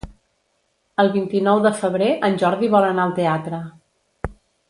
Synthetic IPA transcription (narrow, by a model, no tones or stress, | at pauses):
əlˠβint̪inɔwðəfəβɾeʔənʲʒɔɾðiβɔlənaəlˠt̪eat̪ɾə